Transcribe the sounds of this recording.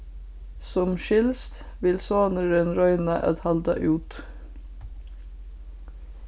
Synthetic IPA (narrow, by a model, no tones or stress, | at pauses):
sɔmʃɪlst̪ | ʋɪlsoːnəɾənɾɔʏnɑʔɑ̰t̪hɑld̪ɑ̰ʔʉːt̪